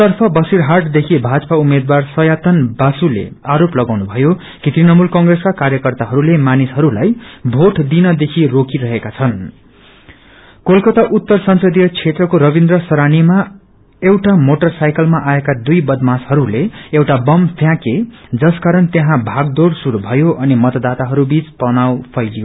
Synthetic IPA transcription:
t̪ʌrpʰʌbʌsiɾɦarʈd̪ekʰibʱad͡zʌpaumed̪warsʌjat̪ʌnbasulḛaɾoplʌɡawnubʱʌjo | kit̪rinʌmulkʌŋɡreskakaɾjʌkʌrt̪aɦʌɾulemanisɦʌɾulajbʱoʈd̪inʌd̪ekʰirokiɾʌɦekat͡sʰʌn | kolkʌt̪aʔut̪ːʌrsʌnsʌd̪ijʌt͡sʰet̪rʌkoɾʌbind̪rʌsʌɾanima | ewʈamoʈʌrsajkʌlmaʔaekad̪ujbʌd̪mashʌɾuleewʈabʌmp̪ʰjãked͡zʌskaɾʌnt̪jeɦãbʱaɡ̚d̪oɽsuɽubʱʌjoʔʌnimʌt̪d̪at̪aɦʌɾubit͡spʌnawpʰʌjlijo

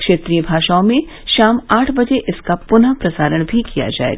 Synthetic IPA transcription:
kʃeːt̪ɾijəbʱaːʃaːõmẽ | ʃaːmaːʈʰbɐd͡ʒeʔɪskapʊnapɾɐsaːɾəɽ̃bʱikija̰d͡ʒa̰ːḛː

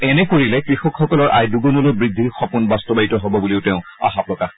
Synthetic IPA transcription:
ɛnɛkoɹilɛkɹixɔkxɔkɔlɔɹʔa̰jduɡɔnɔlojbɹid̪ʱːiɹxɔpunbastɔbaɹitɔɦɔbɔbuliʊtɛʊ̃a̰xapɹɔka

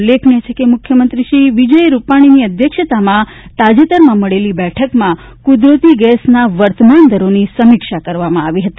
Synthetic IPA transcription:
lːekʰɳet͡ʃʰekemʊkʰjəmənt̪ɾiʃiʋid͡ʒəjɾupaɽ̃iniəd̪ʱjəkʃət̪amã | t̪ad͡ʒet̪əɾmãməɭelibɛʈʰəkmã | kud̪ɾət̪iɡɛsnaʋəɾt̪əmand̪ʱəɾonisəmikʃakəɾʋamãaʋiɦət̪i

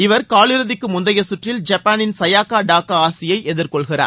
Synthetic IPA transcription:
ɪʋɐɾkaːɭɪɾɯðɪkːɯmʊnd̪ɐjɐsʊʈrɪld͡ʒɐpːaːnɪnsɐjaːkaːɖaːkaaːsɪjɐɪʔɛðɪɾkɔɭɣɪra̰ːɾ

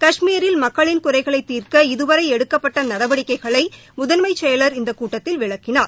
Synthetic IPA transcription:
kɐʂmiːɾɪlmɐkːɐɭɪnkʊɾɐɪɣɐɭɐɪt̪ːiːrkɐɪðɯʋɐɾɐɪɛɽɯkːɐpːɐʈːɐnɐɾɐʋɐɽɪkːɐɪɣɐɭɐɪ | mʊðɐnmɐɪt͡ʃɛjɐlɐɾɪnd̪ɐkuːʈːɐt̪ːɪlʋɪɭɐkːɪnaːɾ

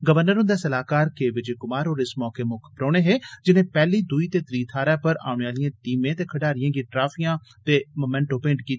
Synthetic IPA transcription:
ɡəʋəɾnəɾɦʊ̃nd̪ɛːsəlaːkaːɾkeːʋɪd͡ʒekʊmaːɾɦoːɾɪsmɔːkeːmʊːkʰpɾoːɽ̃eːɦeːd͡ʒɪnẽːpɛːliːd̪ʊiːt̪eːt̪ɾiːt̪ʰaːɾaːpəɾa̰ːʊɳeaːlɪjãːʈiːmẽːt̪eːkʰəɖaːɾɪjãːɡiʈɾaːfʰijãː | t̪eːmomɛ̃ːɳʈõːpẽːɳɖkiːt̪ː

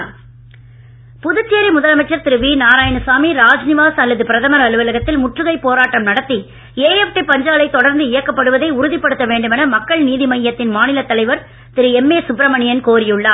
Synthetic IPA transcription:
pʊðɯt͡ʃːeːɾimʊðɐlɐmɐɪt͡ʃːɐɾt̪ɪɾɯʋiːnaːɾaːjɐnɯsaːmiɾaːd͡ʒnɪʋaːsɐlːɐðɯpɪɾɐðɐmɐɾɐɭɯʋɐlɐɣɐt̪ːɪlmʊʈrɯɣɐɪpːoːɾaːʈːɐmnɐɽɐt̪ːi | eːjɛfʈipɐɲd͡ʒaːlɐɪt̪ːɔɽɐɾnd̪ɯɪjɐkːɐpːɐɽɯʋɐðɐɪʊɾʊðɪpːɐɽɯt̪ːɐʋeːɳɖɯmɛnɐmɐkːɐɭniːðimɐjːɐt̪ːɪnmaːnɪlɐt̪ːɐlɐɪʋɐɾ | t̪ɪɾɯɛmːeːsʊpɾɐmɐɳɪjɐnkoːɾɪjɯɭːaː

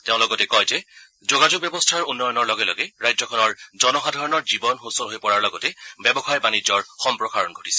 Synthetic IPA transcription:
teʊ̃lɔɡɔtɛkɔjzɛ | zoɡad͡ʒuɡ̚bjɛbɔstʰaɹunːɔjɔnɔɹlɔɡɛlɔ̰ɡɛɹajzɔkʰɔnɔɹzɔnɔxadʱaɹɔnɔɹzibɔnxusɔnɦojpɔɹaɹlɔɡɔtɛbɛbɔxajbanizɔɹxɔmpɹɔkaɹɔnɡʱoti̥sɛ̥

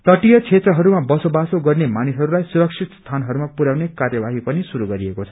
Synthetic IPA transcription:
t̪ʌʈijʌt͡sʰet̪rʌɦʌɾumabʌsobasoɡʌrnemanisɦʌɾulajsuɾʌk̚sʰit̪st̪ʰanɦʌɾumapuɾawnekarjʌbaɦipʌnisuɾuɡʌɾiekot͡sʰʌ̥

